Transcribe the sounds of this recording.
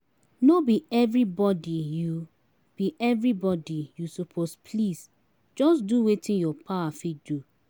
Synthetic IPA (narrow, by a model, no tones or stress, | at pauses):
nobiɛvɹibɔdiju | b̥iʔɛvɹibɔdijusɔpʰospʰlis | d͡ʒɔsduwetʰĩnjɔpʰawafidu